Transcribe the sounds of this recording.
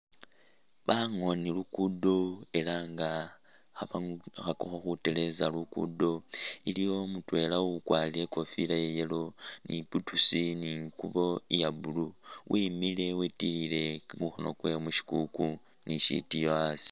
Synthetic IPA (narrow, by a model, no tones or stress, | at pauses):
βaŋo̞nilukudo̞e̞laŋɡa | xaβaxakoxoxute̞le̞zalukṵdo̞ilijo̞mutwe̞laukwalie̞ko̞filajejelo̞nʔiputusiniŋkuβo̞ijabuluwʔimile̞witilile̞uxo̰no̰kwemuʃi̥kuku | niʃḭtijoasi̥